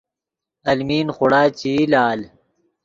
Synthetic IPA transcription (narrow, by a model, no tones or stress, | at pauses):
ɐlmiːnχʊɽaːt͡ɕilaːl